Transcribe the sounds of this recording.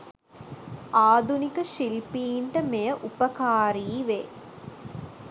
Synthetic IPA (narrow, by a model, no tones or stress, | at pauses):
aːd̪unikəʃilpiːɳʈəmejəʔupəkaːɾiːʋeː